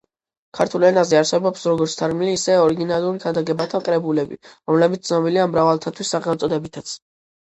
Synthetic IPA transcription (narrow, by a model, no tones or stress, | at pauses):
kʰaɾt̪ʰulˠɛnazɛaɾsɛbɔpsɾɔɡɔɾt̪sʰt̪ʰaɾmiliːsɛɔɾiɡinalˠuɾiɡʰand̪aɡɛbat̪ʰaqʼɾɛbulɛbḭɾɔmlɛbit̪t̪ʰnɔbiliamɾavalˠt̪ʰat̪ʰwisːaʁɛmɔt̪sʼɔd̪ɛbit̪ʰat̪sʰ